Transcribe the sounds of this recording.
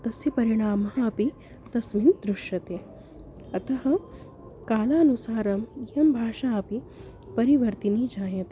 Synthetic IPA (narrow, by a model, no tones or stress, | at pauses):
t̪ɐsjɐpɐɾiɽ̃aːmɐɦɐɐpi | t̪ɐsmiːnd̪ɾʊʃjɐt̪eː | ɐt̪ɐɦɐ̆ | kaːlaːɐnusaːɾɐmijɐmbʱaːʃaːɐpi | pɐɾiʋɐɾt̪inid͡ʒaːjɐt̪